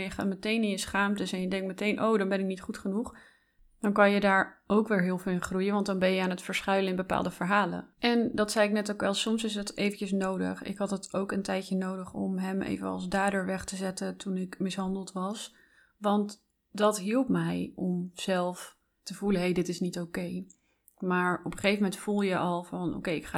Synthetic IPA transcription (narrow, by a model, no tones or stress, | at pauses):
jəχaːtmətejnɪnjəsχaːmtɪsɛnjədɛŋk̚tmətejnʔowdɑnbɛnɪk̚nitχutχənuχ | d̥ɑnkɑnjədaːɹowkʋɪːɹɦɪːlˠvɪːlˠɪnχrujənʋɑntdɑnbɛnjəaːnɦətfəɹsχœɥlənɪnbəpa̰ːlˠdəvəɹɦaːlə̰ʔɛndɑtsɛjɪknɛtowkʋɛlˠsɔmsɪs̬ɦətejvəncəsnowdə̰χɪ̰kɦɑtɦətowkəntɛjtcənowdəχɔmɦɛmʔḛjvənɑ̰lˠzdaːdəɹʋɛχtəzɛtətunɪkmɪsɦɑndəlˠtʋɑs | ʋɑnt | dɑtɦilˠp̚mɛjɔmz̥ɛlˠf | təvuləɦejdɪtɪsnitowkej | maːɹɔpə̥χejvəmɛntfulˠjəʔɑlˠvɑnʔo̰wkejɪkχaː